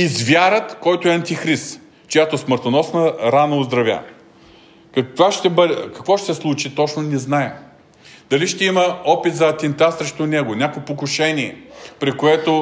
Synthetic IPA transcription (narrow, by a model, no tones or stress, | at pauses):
izvʲjaɾət̪kɔjt̪oɛɐnt̪ixɾist̪ | t͡ʃojat̪osməɾt̪onɔsnɐɾanɐʊzd̪ɾɐvʲja̰ | kɐkvaʃt̪ɛbəd̪ɛkɐkvɔʃt̪sɛslˠut͡ʃit̪ɔt͡ʃnonɛznaɛ | d̪̥ɐliʃt̪ɛimɐɔpit̪zɐːt̪ʲɛnt̪asɾɛʃt̪onɛɡonʲakʊɛpokʊʃɛnʲiɛ̰pɾikoɛt̪o